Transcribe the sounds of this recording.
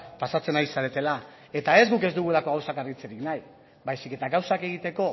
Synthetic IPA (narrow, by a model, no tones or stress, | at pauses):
pasat͡se̞najisaɾet̪e̞la | e̞t̪ae̞zɡuke̞zd̪uɣue̞lako̞ɣawsakaɾɣit͡seɾiknaj | bajsike̞t̪aɣawsake̞ɣit̪e̞ko̞